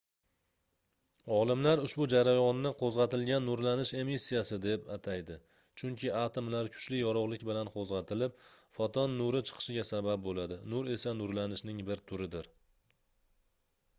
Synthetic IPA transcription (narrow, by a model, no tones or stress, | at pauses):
ɒlˠɪmlaɾʊʃbʊd͡ʒaɾajɒnːɪqʰozʁɑt̪ɪlɡʲanːʊɾlanɪʃe̞misːijasɪd̪e̞pat̪ʰajd̪ɪ | t͡ʃʰʊŋkʲʰɪat̪ʰomlaɾkʰʊ̥t͡ʃlɪjɒɾɒʁlˠɪkʲbɪlanqʰozʁɑt̪ʰɪlɪpfɒt̪ʰɒnːʊɾɪt͡ʃʰɨ̥qʰɨ̥ʃɪɡʲasabap̚bolad̪ɪnʊɾe̞sanʊɾlanɪʃnɪŋbɪɾt̪ʰʊɾɪd̪ɪɾ